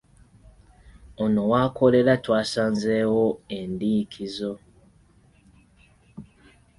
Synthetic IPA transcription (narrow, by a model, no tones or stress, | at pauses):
ono̞wako̞le̞ɾatwaːsaːnzewoendiːkʰizo̞